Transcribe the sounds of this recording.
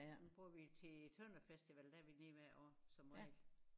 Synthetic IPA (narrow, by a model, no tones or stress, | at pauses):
nub̥ʁuɐʋit͡sʰe̝t͡sʰɔnɐfesd̥iʋɛld̥æɐʋineʋæɐ̰ʔɒ̰sɒ̽mʁɛl̥